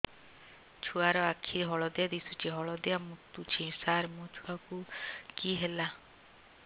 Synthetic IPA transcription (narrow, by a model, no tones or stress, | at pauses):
t͡ʃʰuaɾɔakʰiɦɔɭɔd̪ead̪isut͡ʃʰiɦɔɭɔd̪eamut̪ut͡ʃʰĩsaɾmũt͡ʃʰuakukiɦela